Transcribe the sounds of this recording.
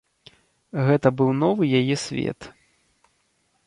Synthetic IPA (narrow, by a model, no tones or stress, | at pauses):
ɣɛt̪ɐbɨwnɔvɨjajɛsʲvʲɛ̰t̪